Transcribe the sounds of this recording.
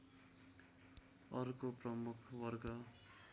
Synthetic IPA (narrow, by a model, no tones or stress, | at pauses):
ʌrkoprʌmukʰwʌrɡʌ